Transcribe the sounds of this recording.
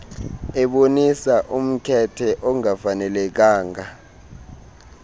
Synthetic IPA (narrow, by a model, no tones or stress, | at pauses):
ɛɓonisaʔum̩kʰɛtʰɛʔɔŋafanɛlɛk̬aːŋa